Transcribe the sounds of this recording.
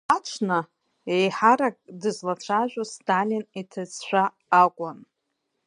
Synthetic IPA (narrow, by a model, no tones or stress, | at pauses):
at͡ʃʷʰna | ejħaɾakʼdɨzlat͡ʃʷʰaʒʷᶣostʰalʲinitʰɨzʃʷᶣaː | kʷʼan